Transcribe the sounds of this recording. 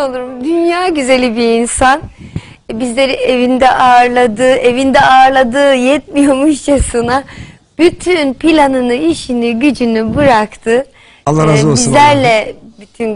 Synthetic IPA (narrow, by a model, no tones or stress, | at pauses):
olˠuɾumd̪ynjaːɟyze̞lʲibiinsan | bizlʲeɾievind̪ɛʔaɾlˠad̪ɯːʔe̞vind̪ɛaːɾlˠad̪ɯːjɛt̪̚mijomuʃt͡ʃasɯna | b̥yt̪ʰynpilʲanɯnɯiʃiniɟyd͡ʒynybɯɾakt̪ʰɯ | alːˠaɾazizlʲæɾlʲɛbyt̪ʰyn